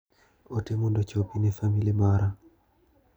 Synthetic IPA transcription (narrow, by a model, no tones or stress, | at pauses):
ɔtemundɔt͡ʃɔpinɛfamilimaɾa